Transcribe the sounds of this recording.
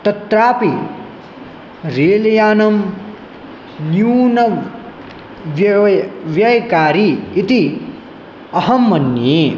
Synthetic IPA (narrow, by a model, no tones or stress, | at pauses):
t̪ɐt̪ɾaːpi | ɾeːlɐjaːnɐm | njuːnɐ | ʋ | ʋjɐjkaːɾiit̪i | ɐhɐmːɐnːeː